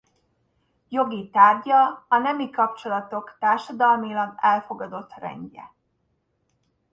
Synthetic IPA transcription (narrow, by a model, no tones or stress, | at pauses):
jo̞ɡit̪aːrɟɒɒnɛmikɒpt͡ʃo̞lɒt̪o̞kt̪aːrʃɒd̪ɒlmilɒɡɛlfo̞ɡɒd̪o̞t̪rɛ̰ɲɟɛ̰